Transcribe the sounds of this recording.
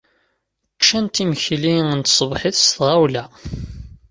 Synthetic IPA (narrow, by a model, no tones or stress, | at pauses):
qʃænt̪iməçliənt̪sˤəbħiθst̪ʁawlæ